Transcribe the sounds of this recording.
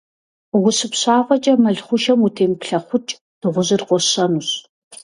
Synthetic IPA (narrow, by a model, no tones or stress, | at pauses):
wʊɕɨpɕaːfɐt͡ʃʼɐmɐɮχʷʊʃɐmutʰeːmpɬɐχʷʊt͡ʃʼ | d̥ɨʁʷʊʑɨrqʷɔɕɐnuɕ